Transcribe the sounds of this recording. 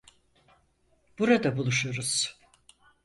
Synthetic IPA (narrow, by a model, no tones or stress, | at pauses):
b̥uɾad̪abulˠuʃuɾuz̥